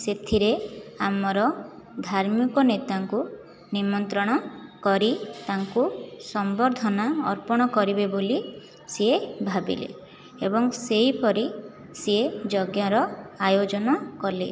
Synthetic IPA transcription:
set̪ʰiɾeamɔɾɔ | d̪ʱaɾmikɔnet̪aŋku | nimɔnt̪ɾɔɽ̃ɔkɔɾit̪aŋkusɔmbɔɾd̪ʱɔnaɔɾpɔɽ̃ɔkɔɾibeboli | seebʱabḭlḛ | ebɔŋseipɔɾi | seed͡ʒɔɡjaɾɔajod͡ʒɔnɔkɔle

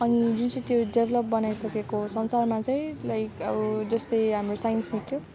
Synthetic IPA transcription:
ʌnid͡zunt͡sʌ̃t̪joɖebʱelʌp̚bʌnajsʌkekosʌnsarmat͡sʌj̃lajkʌbʌd͡zʌst̪ʌjɦamrosajnsnikʰjo

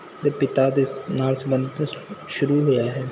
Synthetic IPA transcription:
d̪epɪt̪ad̪enaːlsəbə̃nd̪əʃʊɾuɦʊjaɦɛː

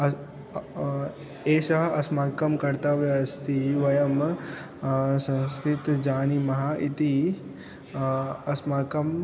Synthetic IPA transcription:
ɐ | eːʃɐɦɐsmaːkɐmkɐɾt̪ɐʋeɐst̪iʋɐjɐm | sɐ̃nskɾɪt̪d͡ʒaːnimɐɦaʔit̪i | ɐsmaːkɐm

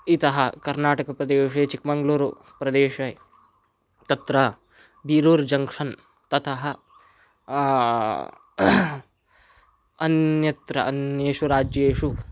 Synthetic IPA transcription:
it̪ɐɦɐkɐɾnaːʈɐkɐpɾɐd̪eːʂɐjt͡ʃikmɐŋɡluːɾu | pɾɐd̪eːʂɐj | t̪ɐt̪ɾɐ | biːɾoːɾd͡ʒɐŋkʂɐn | t̪ɐt̪ʰɐɦɐ | ɐnjɐt̪ɾɐʔɐnjeːʂuɾaːd͡ʒjɐeːʂu

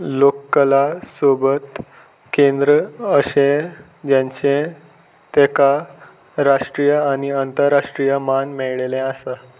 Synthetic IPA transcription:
lokːəlasobət̪ | kend̪ɾəəɕe | d͡ʑjãɲt͡ɕẽ | t̪eka | ɾaʂʈɾijəaɽ̃iənt̪əɾːaʂʈɾijəmanmɛɭɭelẽəsə

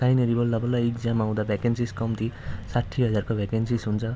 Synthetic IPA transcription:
sajneɾibʌlːʌbʌlːajik̚d͡zamaw̃d̪abʱakensiskʌmt̪ʰisaʈʰːiɦʌd͡zarkobʱakensisɦunt͡sʰʌ

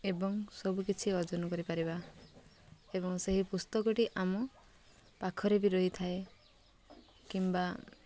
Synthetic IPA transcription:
ebɔŋsɔbukit͡ʃʰiɔɾd͡ʒɔnɔkɔɾipaɾiba | ebɔŋseɦipust̪ɔkɔʈiʔamɔ | pakʰɔɾebiɾɔɦit̪ʰae | kimba

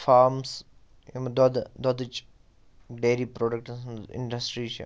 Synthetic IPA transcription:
faːɾms | imd̪ɔd̪d̪ɔd̪it͡ʃ | ɖeːɾipɾoːɖək̚ʈɪ̰̃ɳɖɐsʈɾit͡ʃ

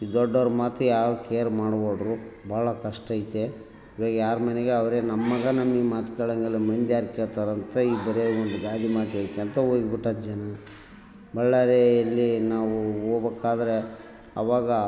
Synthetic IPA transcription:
id̪ɔɖːɐʋɾɐmaːt̪ujaːɾukeːɾmaːɽboːɖɾubʱaːɭɐkɐʂʈɐjit̪ːe | iːʋaːɡɐjaːɾmɐneɡeɐʋɐɾenɐmːɐɡɐnɐmːimaːt̪kɐɭɐŋɡɐlːemɐnd̪jaːɾkeːɾt̪ɐɾɐnt̪ɐiːbɐɾeond̪uɡaːd̪imaːt̪ekːent̪ɐoːɡbiʈːɐd̪d͡ʒɐnɐ | bɐɭːɐɾeɐlːinaːʋuoːbekːaːd̪ɐɾe | ɐ̰ʋaːɡɐ

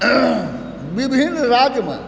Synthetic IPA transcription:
ʋibʱinɾaːd͡ʒjmã̰

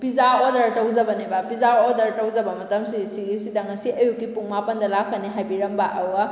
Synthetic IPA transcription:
pizaɾodɐɾtɐwzɐbɐnibapizaɾodɐɾtɐwzɐbɐmɐtɐmsisiɡisidɐŋɐsiʔɐjukːipuŋmapɐndɐlakːɐniɦajbiɾɐmbaʔɐwa

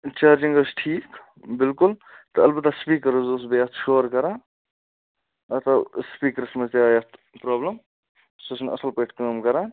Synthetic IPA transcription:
t͡ʃaːɾd͡ʒiŋɡəsʈʰiːk | bilkult̪ɐɐlbɐt̪ːaspiːkːɐɾuzos̬bɐjat̪ʰʃoːɾkɐɾãː | ɐt̪ɐspiːkəɾsɐmɐst̪jaːjɐt̪pɾoːbləm | sosnɐ̰səlpɐʈʰkəːmkɐɾãː

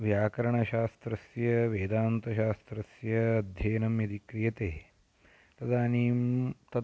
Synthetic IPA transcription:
ʋjaːkɐɾɐɳɐʃaːst̪ɾɐsjɐʋeːd̪aːnt̪ɐʃaːst̪ɾɐsjɐːd̪ʱjɐːnɐmjɐd̪ikɾijɐt̪eː | t̪ɐd̪aːniːmt̪ɐ

